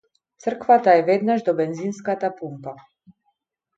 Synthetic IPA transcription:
t̪sr̩kvat̪aɛvɛd̪naʒd̪ɔbɛnzinskat̪apumpa

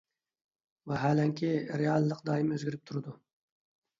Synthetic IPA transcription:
vɛɦælɛŋkʲʰɪɾeɑlˠːəqd̪ɑːjɪmøzɡʲiɾɪp̚t̪ʰuɾɨd̪u

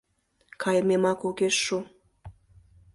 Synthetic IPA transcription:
kʰɑjəmemɑkukeʃːu

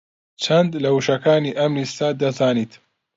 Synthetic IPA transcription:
t͡ʃʰɐnd̪lɐwuʃɐkaːniːʔɐmnist̪aːd̪ɐzaːniːt̪

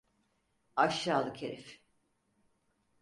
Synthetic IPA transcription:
aʃjaːlˠɯkʰeɾɛf

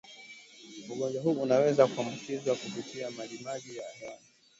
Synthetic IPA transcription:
uɠɔɲd͡ʒwaɦuːnawɛzakuambukizwakupitʰiamalimaʄijaːhani

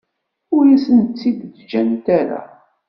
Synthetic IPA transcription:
ʊɾjæsənt͡sːidd̪d͡ʒænt̪æɾa̰

